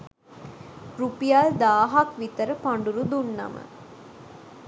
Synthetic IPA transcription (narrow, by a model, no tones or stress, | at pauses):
ɾupijald̪aːɦakʋit̪əɾəpaɳɖuɾud̪unːɐ̰mə̰